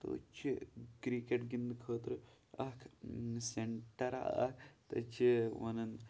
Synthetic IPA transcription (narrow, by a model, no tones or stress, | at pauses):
t̪o̰ːt͡ʃʰikɾikeʈɡind̪ɨkʰəːt̪ɾɨ | ɐkʰseɳʈɐɾa̰ɐ̰t̪ɐ̰t͡ʃʰiʋɐnɐn